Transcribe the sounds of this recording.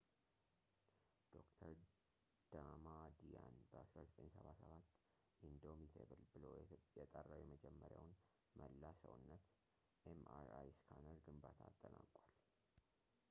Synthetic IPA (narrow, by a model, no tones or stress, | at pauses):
d̪̥o̞kt̪ʰəɾ | d̪̥amad̪ijanbəasɾazət̪ʼəɲsəβasəβat̪ː | ʔind̪o̞mit̪ʰeβɨlbɨlojjɛt̪ʼərːawjɛməd͡ʒɛmːəɾjawn | mʔəlːasəwnːət̪ | ʔemaɾajskʰanəɾɡɨmbat̪ʰaːt̪ʼːənakʼwal